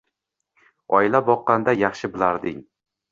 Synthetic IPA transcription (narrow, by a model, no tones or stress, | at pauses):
ɒɪlabɒqːɑnd̪ajɑχʃɪbɪlaɾd̪ɪŋ